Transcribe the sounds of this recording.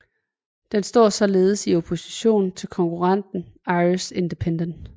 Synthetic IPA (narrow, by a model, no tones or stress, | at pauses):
d̥ensd̥ɒ̰ɐ̰sɒ̽le̝ːð̞̩ˠsio̝pʰo̝si̥ɕo̝̰ːn̩t͡sʰe̝lkʰɒ̽ŋkʰuʁɑ̈n̰d̥n̩ɑ̈ɪise̝nd̥epʰend̥ənd̥